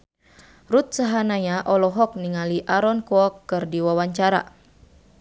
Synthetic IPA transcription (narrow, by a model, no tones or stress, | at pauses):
rut̪̚saɦanaɲaʔɔlɔɦɔk̚niŋaliʔaɾɔnkɔɔkːɨrdiwawaɲt͡ʃaɾa̰